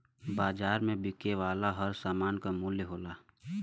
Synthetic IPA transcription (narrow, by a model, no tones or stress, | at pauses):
baːd͡ʒaːɾmẽbɪkeʋaːlaɦəɾsaːmaːnkamuljəɦoːlaː